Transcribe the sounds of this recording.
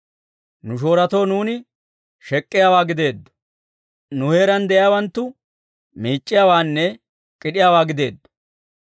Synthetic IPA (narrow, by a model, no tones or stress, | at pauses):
nʊʃ̬o̞ːɾɐt̪o̞ːnuːnɪ | ʃɛkʼːɪjaːwaːɡɪd̪e̞ːd̪ːɔ̥ | nʊhe̞ːɾɐnd̪ɛʔɪjawɐnt̪ːʊ | miːt͡ʃʼːɪjaːwaːnːɛ | kʼɪɗɪjaːwaːɡɪd̪e̞ːd̪ːɔ̥